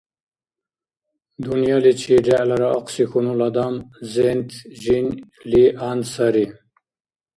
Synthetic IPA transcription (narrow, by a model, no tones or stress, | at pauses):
d̪unjɑlit͡ɕʰiɖaʔlaɾaaqsixunulad̪amzent̪ʑin | liʔansaɾi